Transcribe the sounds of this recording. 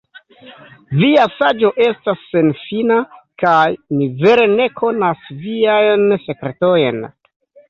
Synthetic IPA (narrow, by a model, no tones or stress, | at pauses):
viasad͡ʒo̞ʔe̞stasːe̞nfinakajnive̞ɾe̞ne̞kʰo̞nasviajnse̞kɾe̞to̞jn